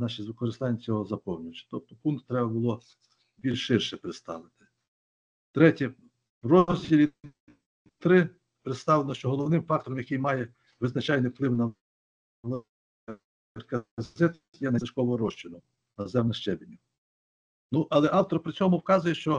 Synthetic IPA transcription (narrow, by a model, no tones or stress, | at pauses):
nɑʃizʋɪkɔɾɪst̪ɑnʲːɐt͡sʲɔɦɔzɐpɔwnʲijt͡ʃʲt̪ɔp̚t̪ɔ̥punk̪t̪ːɾɛbɐbʊlˠɔ | bʲilʲʃʃɪrʃɛpɾɪt̪st̪ɑ̰lˠɪt̪ɪ̥ | t̪ɾɛtʲi | wrɔzʲdʲilʲi | t̪ɾɪ | pɾet̪st̪ɑʋlˠenɔʃt͡ʃɔɦɔlˠɔwnɪmfɑk̚t̪ɔɾɔmjɐkɪjmɑjɛ | ʋɪznɐt͡ʃɑjnɪwplˠɪwnɐ | lˠ | rkɐzɛt̪ | jɛnɐɐʃkɔʋɔɦɔɾɔʃt͡ʃɪnɔ | nɐzɛmnɐʃt͡ʃɛbʲɪnʲːʊ | nuʔɐlˠɛʔɑwt̪ɔrpɾɪt͡sʲɔmʊwkɑzʊjɛʃt͡ʃɔ